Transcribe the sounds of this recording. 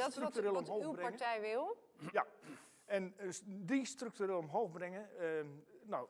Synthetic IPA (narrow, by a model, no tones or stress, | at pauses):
rktyreːlˠɔmhoːywbɪaɹŋətɛjʋɪlˠ | ja | ɛndistryk̚tyreːlˠɔmɦoːxbrɪŋə | no